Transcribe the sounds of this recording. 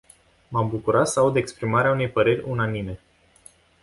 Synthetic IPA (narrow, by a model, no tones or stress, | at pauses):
mambukuɾat̪səaud̪ekspɾimaɾeaune̞jpəɾe̞rʲunanime̞